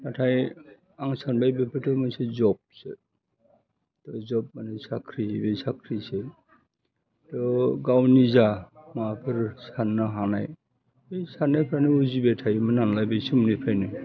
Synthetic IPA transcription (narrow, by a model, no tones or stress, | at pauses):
atʰaj | aŋsanbajbepʰɯtʰɔmajsezɔb̚sḛ | tɔzɔp̚manasakʰɾibejsakʰɾise | tɔɡawnizamapʰɯɾsanːaɦanaj | ejsanːapʰajnɯuzibetʰajmɯnanlajbajsumnipʰajnɯ